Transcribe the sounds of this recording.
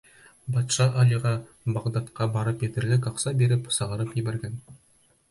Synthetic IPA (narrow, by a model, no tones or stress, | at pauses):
bɑt̪ʃɑʔɑlˠiʁɑ | bɑʁd̪ɑt̪qɑbɑɾɤpet̪ɘɾlɪk̬ɑqsɑbe̞ɾɪpsɑʁɑɾəpjibeɾɡʲæn